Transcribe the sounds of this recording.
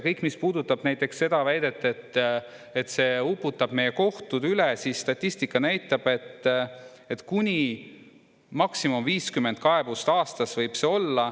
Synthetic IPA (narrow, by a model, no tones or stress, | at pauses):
kɤjkːˑmispuːd̪ut̪ːˑɑb̥næjt̪ːˑe̞ksːe̞d̪̥ɑvæjd̪e̞t̪ːˑet̪ː | et̪ːse̞ːupːˑut̪ːˑɑb̥me̞jeko̞ht̪ud̪ylesisst̪ɑt̪ʲˑːist̪ikːˑɑnæjt̪ːˑɑb̥e̞t̪ː | et̪kunʲi | mɑksimomviːskymːe̞nd̪̥̚kɑebust̪ɑːst̪ɑsvɤjb̥se̞o̞lːɑ